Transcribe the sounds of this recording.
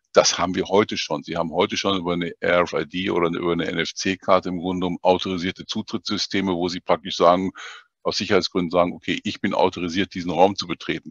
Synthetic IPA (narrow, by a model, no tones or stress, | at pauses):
d̥ashaːbm̩viːɐhɔʏtəʃoːnziːhaːbm̩hɔʏtəʃoːnʔyːbɐnəʔɛɛfaɪdiːʔo̰ːɾɐnəʔy̰ːbɐnəʔɛ̰nɛft͡seːkʰaɐtəɪmɡʁʊndəʊmʔaʊtʰoʁiziːɐtət͡suːtʁ̥ɪt͡sz̥ʏstʰeːməvoːziːpʁ̥ak̚tɪʃz̥aːɡŋ̩ | ʔaʊsz̥ɪçɐhaɪt͡sɡ̥ʁʏndn̩zaːɡŋ̩ʔokʰeːʔɪçb̥ɪnʔa̰ʊtoʁiziːɐt̚d̥iːzn̩ʁaʊmt͡subətʁ̥eːtn̩